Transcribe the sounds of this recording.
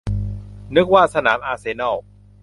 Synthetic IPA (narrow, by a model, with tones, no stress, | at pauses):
nɯ˦˥k̚waː˥˩sa˧naː˩˦mʔaː˧seː˧nɔ˥˩w